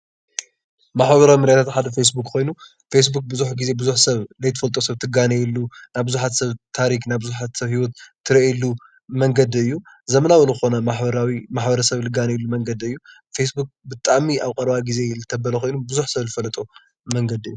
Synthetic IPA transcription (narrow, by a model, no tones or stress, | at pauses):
maħbɐβɐɾawimɨɾjat̪ʰat̪ħad̪ɐfesbukʼkʰo̞jnu | fes̬buk̚bɨzuħɡize̞bɨzuħsɐβlɐjt̪ʰɨ̥fɐlt̪ʼosɐβt̪ʰɨɡanɐjilːunajbɨzuħat̪sɐβt̪ʰaɾiknajbɨzuħat̪sɐβhiwɔt̪t̪ːʰɨɾiʔlːu | mɐŋɡɐd̪ɨjːu | zɐmɐnawɐluɨɨxo̞nɐmaħbɐɾawimaħbɐɾɐsɐβlɨɡanɐjɛlːumɐŋɡɐd̪ɨjːufesbuk̚ʼbɨt̪ʼaʕmiaβkʼɐɾβaɡize̞lɨt̪ʰɐbɐlɐko̞jnubɨzuħsɐβzɨfɐlɐt̪ʼo | mɐŋɡɐd̪ɨjːu